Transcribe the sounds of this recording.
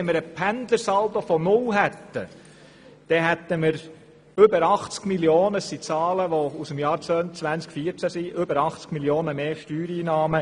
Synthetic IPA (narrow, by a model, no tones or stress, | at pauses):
ɛməɾəpʰænd̪əɾsɑlt̪ofɔnʊlɦɛt̪ːə̰ | d̪̥ɛɦɛt̪ːəməɾ | ʏbəɾɑχt͡skmiljoːnəəsit͡sɑːləʋousəmjɑːɾt͡sʋœnt͡sʋænt͡skfiəɾt͡sæsiʔʏbəɾɑχt͡skmiljoːnəmeːʃtyːɾiːnɑːmə